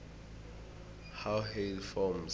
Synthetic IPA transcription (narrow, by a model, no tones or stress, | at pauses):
hawɦelfɔmz